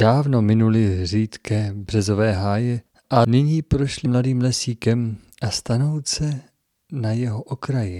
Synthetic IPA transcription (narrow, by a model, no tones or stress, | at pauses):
d̥aːvno̞mɪnulɪriːt̪kɛːbr̝̥ɛzo̞vɛːɦaːjɛ | ʔanɪɲiːpɾoʃlɪmladiːmlɛsiːkɛm | ʔast̪ano̞wt͡sɛ | najɛɦoʔokɾajɪ